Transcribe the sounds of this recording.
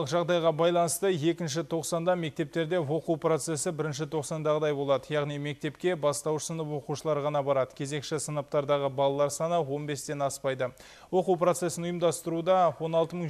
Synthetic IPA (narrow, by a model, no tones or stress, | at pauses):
əqʒɑʁd̪ɑjʁɑbɑjlˠɑnəst̪əe̞kʲɪnʃ̬ɪt̪ʰo̞qsɑnd̪ɑme̞k̚t̪e̞p̚t̪e̞ɾd̪e̞wo̞quwpro̞t̪se̞sɪbɪɾɪnʃ̬ɪt̪ʰo̞qsɑnd̪ɑʁəd̪ɑjbo̞lˠɑd̪əjɑʁnijme̞k̚t̪e̞pkʲe̞bɑst̪ɑwsənəpwo̞quʃəlˠɑɾʁɑnɑbɑɾɑd̪ə̥kʲʰe̞ze̞kʃɪsənɑp̚t̪ɑɾd̪ɑʁəbɑlˠɑlˠɑɾsɑnəwo̞nbe̞st̪e̞nɑspɑjd̪ə | wo̞quwpɾo̞t̪se̞sɪnʊjəmd̪ɑst̪əɾud̪ɑwo̞nɑlˠt̪əməɴ